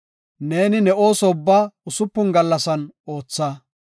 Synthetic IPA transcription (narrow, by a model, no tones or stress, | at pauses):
ne̞ːnɪnɛʔo̞ːsɔʊbːaːʊsʊpːʊnɡɐlːɐsɐnoːt͡sːɐ